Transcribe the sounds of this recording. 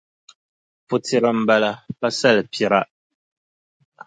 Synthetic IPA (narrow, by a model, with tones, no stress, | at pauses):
pu˨ti˨ɾə˨m̩˨ba˦la˦pa˦sɛ˦˨lpi˨ɾa˦ʔ